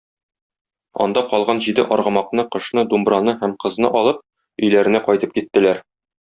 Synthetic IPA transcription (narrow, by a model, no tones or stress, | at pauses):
ɒ̰nd̪ɑqɒlˠʁɑnʑid̪ɘʔɒɾʁɤ̆mɑqnɤqɤ̆ʃnɤd̪umbɾɑnɤhæmqɤ̆znɤ̰ʔɒlˠɤp̚ | ɵ̆jlæɾɘ̆næqɒjt̪ɤp̚kit̪ːɘ̆læɾ